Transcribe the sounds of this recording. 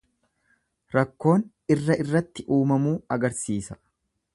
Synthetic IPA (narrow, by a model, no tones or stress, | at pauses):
ɾɐkːo̞ːn | ɪrːɐʔɪrːɐt̪ːɪʔuːmɐmuːɐɡɐɾsiːsɐ̥